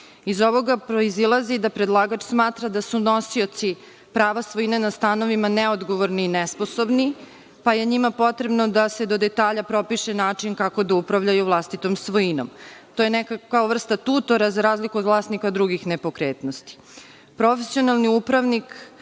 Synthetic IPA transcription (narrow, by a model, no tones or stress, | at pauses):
izoʋo̞ɡapɾoizilˠazid̪apɾed̪lˠaːɡat͡ʃsmaːt̪ɾad̪asuno̞sio̞t̪si | pɾaːʋasʋo̞inenast̪ano̞ʋimanɛod̪ɡo̞ʋoɾniːnɛsposo̞bni | paje̞ɲimapo̞t̪ɾe̞bnod̪ase̞d̪od̪e̞t̪aːʎapɾo̞piʃenaːt͡ʂinkako̞d̪aupɾaʋʎajuvlˠast̪it̪o̞msʋoino̞̰mt̪oːjenɛkakaoʋr̩st̪at̪uːt̪o̞ɾazaɾaːzlikuod̪vlˠaːst̪nikaod̪ːɾuɡixnepo̞kɾeːt̪no̞st̪i̥ | pɾo̞fesio̞nalˠniupɾaʋnik